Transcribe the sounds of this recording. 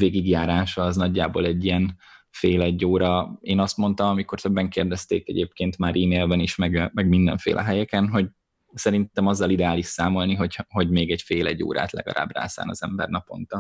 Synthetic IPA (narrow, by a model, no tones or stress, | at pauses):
veːɡiɡjaːɾaːʃɒːznɒɟːaːboːlɛɟːijɛnfeːlɛɟːoːɾɒeːnɒst̪mo̞nt̪ɒmɒmiko̞rt̪øbːɛŋkeːrd̪ɛst̪ḛːkɛ̰ɟḛːpkeːnt̪maːɾʔiːmeːlbɛniʃmɛɡmɛɡmind̪ɛ̰ɱfḛːlʔɛ̰ɦɛjɛkɛnɦo̞ɟ | sɛɾint̪ɛmɒzːɒlid̪ɛaːliʃsaːmo̞lniɦo̞ɟho̞ɟmeːɡɛɟfeːlɛɟːo̰ːɾa̰ːt̪lɛ̰ɡɒ̰lʔa̰ːbra̰ːsa̰ːnɒzɛmbɛ̰rnɒpo̞̰nt̪ɒ